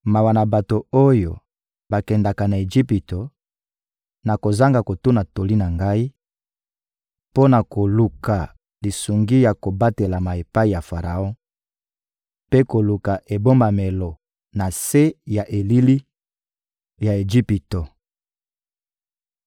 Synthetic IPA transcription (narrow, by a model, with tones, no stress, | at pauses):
ma˨wa˨na˨ba˨to˨o˦jo˨ | ba˨kɛ˨nda˨ka˨na˨e˨ʒi˦pi˨to˨ | na˨ko˨za˦ŋɡa˨ko˨tu˦na˨to˨li˦na˨ŋɡa˦i˦ | po˦na˨ko˨lu˨ka˨ | li˨su˨ŋɡi˦ja˨ko˨ba˦te˨la˨ma˨e˨pa˦i˨ja˨fa˨ʁa˨ɔ̃˦ | pe˦ko˨lu˨ka˨ʔe˨bo˦mba˨me˨lɔ˨ | na˨se˦ja˨ʔe˨li˦li˦ | ja˨e˨d͡ʒi˦pi˨to˨